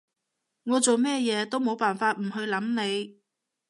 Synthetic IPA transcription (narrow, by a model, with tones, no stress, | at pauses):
ŋɔː˨˧t͡so˨wmɛː˥jɛː˨˧t̪o˥wmo˨˧wpaː˨nfaː˧t̚m̩˨˩ɦɵ˧ɥlɐ˨˥mne˨˧j